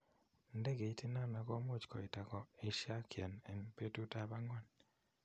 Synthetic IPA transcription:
nde˦ɡe˨i˦ti˦na˦˨na˨kɔ˦mo˦t͡ʃkɔ˨i˨ta˨kɔ˨i˨ʃja˦kjɛ˨nɛ˨npe˦tu˦ta˦ba˦ŋɔ˦˨n

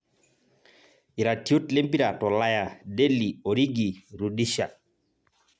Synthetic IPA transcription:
i˨ɾa˨ti˦o˦tle˦mpi˦ɾa˨tɔ˨la˦ja˨de˦li˨o˨ɾi˦ɡi˨ɾu˨di˦ʃa˨

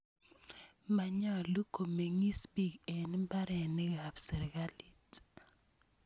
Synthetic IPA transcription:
ma˨ɲa˦˨lu˦kʰo˨me˨ŋi˦spi˦ke˨n˦ba˦ɾɛ˨ni˦ɣa˨bse˨ɾɡa˦li˦˨t

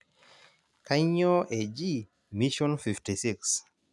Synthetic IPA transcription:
ka˦ɲɔ˦ʔe˨d͡ʒi˦˨ | mi˦ʃɔ˦nfi˨fti˨si˦ks

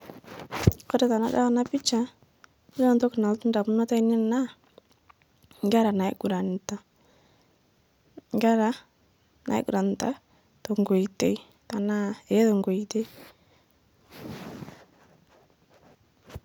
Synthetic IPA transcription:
kɔ˦ɾe˨ta˨na̰˦da̰˦˨na˦pɪ˦t͡ʃa˨˦ | lɔ˨ntɔ˦kna˨ltu˦nda˨pu˦nɔ˦ta˦ɪ˦nɪ˦na˦ | ŋɡa˦ɾa˨na˨ɪ˦ɡu˨ɾa˨n˨ta˦ | ŋɡa˦ɾa˦ | nʔa̰˨ɪ̰˦ɡu˨ɾa˨n˨ta˦ | to˨ŋɡo˨ite˦j | ta˨na˦e˨ɛ˦tɔ˨ŋɡo˨ite˦j

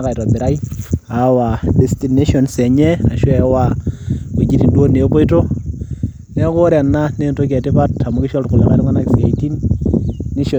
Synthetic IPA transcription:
ka˨jtɔ˨bɪ˨ɾa˦i˦a˨wa˨de˨sti˨ne˦ʃɔ˨nsɛ˨ɲɛ˦a˨ʃɔ˦ɛ˨˦wa˦o˨d͡ʒi˦ɾi˨ndo˦ne˨˦ko˦i˦to˦ | nɛ˦ko˦ɾa˨nːa˦ne˦nto˦k̬ɛ˨tɪ˦pa˦ta˨mʊ˦kɪ˦ʃɔ˦ltkʊ˨la̰˨ka˦ɾŋa˦na˦ksa˨iti˦n | ni˦ʃo˨

